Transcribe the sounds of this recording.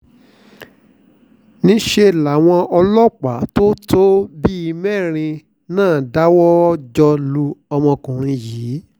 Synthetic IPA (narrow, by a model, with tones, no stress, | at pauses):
nĩ˦ʃe˧la˨w̃ɔ̃˧ɔ˧lɔ˦k͡pa˨˦to˦tʰo˦bi˦i˧mɛ˦˨ɾ̃ĩ˧ | nãː˦˨da˦wɔ˦d͡ʒɔ˧lu˧ɔ˧mɔ̃˧kũ˨ɾ̃ĩ˧jiː˨˦